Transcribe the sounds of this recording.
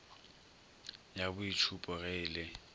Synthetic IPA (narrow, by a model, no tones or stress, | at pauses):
jabʊit͡ʃʰupʼɔɣɛːlɪ